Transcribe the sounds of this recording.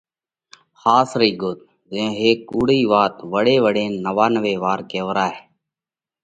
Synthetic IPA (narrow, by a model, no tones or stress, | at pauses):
xaːsɾiːɡoːt̪̚ | zẽːɦeːk̚ːuːɽiːʋaːt̪ʋəɽeːʋəɽẽːnəʋaːnʋeːʋaːɾkeːʋɾaːɦeː